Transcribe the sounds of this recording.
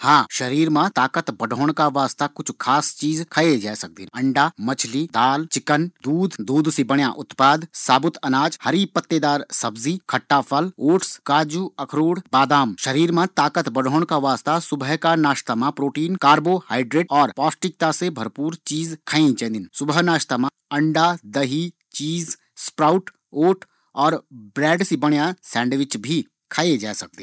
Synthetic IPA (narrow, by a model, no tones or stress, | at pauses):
hãːʃɐɾiːɾmãt̪aːkət̪bɐɖʱoːɳkaʋaːst̪akʊt͡ʃʰkʰaːst͡ʃiːzkʰəed͡ʒaːsɐk̚d̪ɪnɐ̃ɳɖamɐt͡ʃʰlid̪aːlt͡ʃɪkənd̪uːd̪ʱd̪uːd̪ʱsibəɳjaʔʊt̪paːd̪saːbʊt̪ɐnaːd͡ʒhɐɾipət̪ːed̪aːɾsɐbziːkʰɐʈːaːpʰəloːʈskaːd͡ʒuɐkʰɾuːɽbaːd̪aːmʃɐɾiːɾmãt̪aːkət̪bɐɽʱoːɳ̃kaʋaːst̪asʊbəɦkanaːʃt̪amãpɾoːʈiːnkaːɾbohaːɪɖɾeːʈɔːɾpɔːsʈɪk̚t̪asebʱɐɾpuːɾt͡ʃiːzkʰaːĩt͡ʃɛ̃ːnd̪ɪnsʊbəɦnaːʃt̪amã | ɐ̃ɳɖad̪ɐɦi | t͡ʃiːz | spɾaːʊʈ | oːʈ | ɔːɾbɾɛːɖsibɐɽjasɛ̃ːɳɖʋɪt͡ʃbʱi | kʰaːed͡ʒaːsɐk̚d̪ẽ